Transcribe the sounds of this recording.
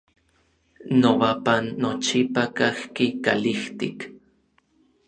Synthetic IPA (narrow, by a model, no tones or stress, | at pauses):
nowapanːot͡ʃipakahkikaliht̪ik